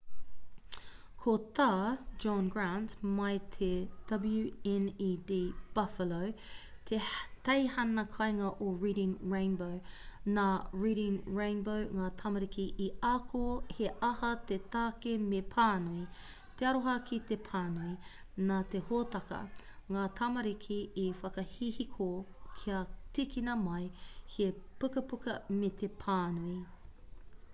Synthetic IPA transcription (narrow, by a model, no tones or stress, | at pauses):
kʰot̪aːd͡ʒɔnɡɹantmɐjt̪ʰed̥ɐblʉɛnidiːb̥ɐfəlowt̪ʰet̪ɐjhɐnɐkʰɐjŋɐʔoɹiːɾɪ̃ŋɹẽɪ̃nbownaːɹiːɾɪ̃ŋɹẽɪ̃nbowŋaːt̪ʰɐmɐɾikiʔiakʰoheʔɐhɐt̪et̪aːkemepʰaːnui | t̪eɐɾoɦɐkit̪epʰaːnui | naːt̪ehoːt̪ɐkɐ̰ | ŋaːt̪ʰɐmɐɾikʰiifɐkɐhihikʰokʰiɐtikinɐmɐjhepʉkɐpukɐmet̪epʰaːnui